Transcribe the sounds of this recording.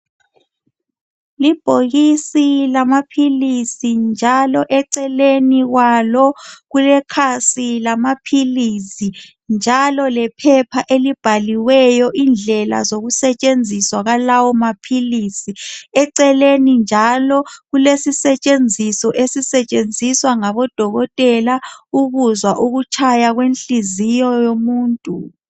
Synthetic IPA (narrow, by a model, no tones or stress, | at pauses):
lib̥ʱoɣisilamapʰilisind͡ʒʱalɔʔɛǀɛleniɣwalɔɣulɛkʰasilamapʰilisi | nd͡ʒʱalɔlɛpʰɛpʰaʔelib̥ʱaliwɛjɔʔind͡ɮʱɛla̰zoɣusɛt͡ʃʼend͡zʱiswaɣalawɔmapʰilisiɛǀɛlenind͡ʒʱalɔɣulesisɛt͡ʃʼend͡zʱisɔʔesisɛt͡ʃʼend͡zʱiswaŋaβɔd̥ʱɔɣɔtʼɛlauβuzwaʔuɣut͡ʃʰajaɣwenɬizijɔjomuːntʼu